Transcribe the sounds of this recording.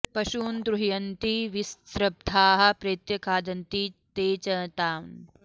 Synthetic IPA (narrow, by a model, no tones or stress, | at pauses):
pɐʃuːnd̪ɾuɦijɐnt̪iʋist̪ɾɐb̚d̪ʱaːɦɐ̆pɾeːt̪jɐkʰaːd̪ɐnt̪it̪eːt͡ʃɐt̪aːm